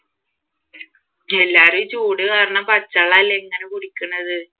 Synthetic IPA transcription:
ɛlːaːɾɯt͡ʃuːɽɯkaːɾɐɳɐpɐt͡ʃːaɭaːlːɛŋɡɐnɯkʊɽɪkːɯɳɐðɯ

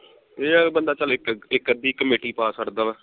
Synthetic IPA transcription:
eːbənd̪aːt͡ʃəlɪkɪkːəd̪iːkəmeːʈiːpaːsəɾd̪aːʋɛː

